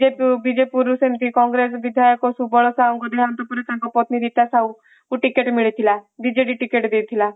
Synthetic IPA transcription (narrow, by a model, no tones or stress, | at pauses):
ebid͡ʒepuɾusent̪ikɔŋɡɾesbid̪ʱajɔkɔsubɔɭɔsaũŋkɔd̪ʱeant̪ɔpɔɾet̪ãŋkɔpɔt̪niɾit̪asaw | uʈikeʈmiɭit̪ʰilad̪id͡ʒeɖiʈikeʈd̪et̪ʰila